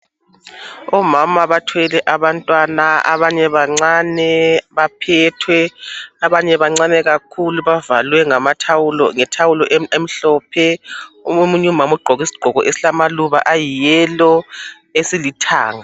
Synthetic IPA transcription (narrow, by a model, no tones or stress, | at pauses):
ɔmamaβatʰwɛlɛʔaβantʼwanaa̰βaɲɛβaŋ͡ǀanɛβapʰɛtʰwɛaβaɲɛβaŋ͡ǀanɛɣakʰuluβavalwɛŋamatʰawulɔ̰ŋɛtʰawulɔʔem̩ɬɔːpʰɛuomuɲɛumamuɡ͡ǃʱɔɣisi̥ɡ͡ǃ̥ʱɔɣɔʔesi̥ɬamaluβa̰ʔajijɛlɔ | esilitʰa̰ːŋa